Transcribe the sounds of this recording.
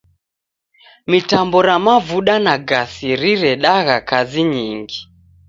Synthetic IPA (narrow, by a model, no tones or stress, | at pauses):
mitambɔɾamavuɗanaɡasiɾiɾɛɗaɣakaziɲiŋɡi